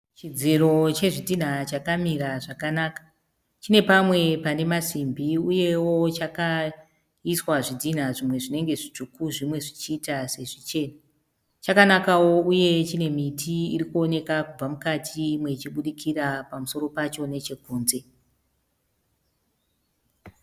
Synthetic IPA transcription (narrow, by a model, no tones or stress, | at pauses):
t͡ʃid͡ziro̞t͡ʃe̞ʐidʱin̤at͡ʃakamiɾaʐakanaːkḁ | t͡ʃine̞pamwe̞pane̞masimbʱiuje̞wo̞t͡ʃaka | iswaʐidʱin̤aʐimwe̞ʐine̞ŋɡe̞ʐit͡ʃukuʐimwe̞ʐit͡ʃiːtase̞ʐit͡ʃe̞ːna | t͡ʃakanakawo̞uje̞t͡ʃine̞mitʰiirikuo̞ne̞kakub͡vamukatʰimwe̞t͡ʃiɓuɗikʰirapamuso̞ɾo̞pat͡ʃo̞ne̞t͡ʃe̞ɡʱuːnze̞